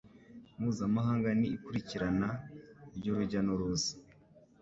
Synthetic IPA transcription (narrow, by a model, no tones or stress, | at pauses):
muːzamaɦaːŋɡaniːkuɾiciɾanaiɾɟoɾuɟanoɾoːzi̥